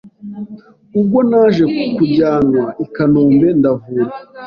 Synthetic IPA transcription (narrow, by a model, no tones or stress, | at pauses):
ub̚ɡo̞naːʒe̞kukuɾɟaːnwaikanoːmbe̞ndavuːɾa